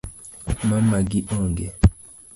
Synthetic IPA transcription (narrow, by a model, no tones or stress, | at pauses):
mamaɡiʔɔŋɡɛ